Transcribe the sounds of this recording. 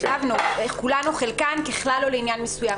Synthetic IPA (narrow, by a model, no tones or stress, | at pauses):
avnuekulanuχelkankeχlaloleinjanmesujam